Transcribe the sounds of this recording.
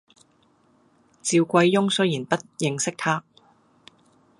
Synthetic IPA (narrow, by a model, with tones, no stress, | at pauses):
t͡siː˨˧wkʷɐ˧jːʊ˥ŋsɵ˥ɥjiː˨˩npɐ˥t̚jɪ˨˧ŋsɪ˥k̚t̪ʰaː˥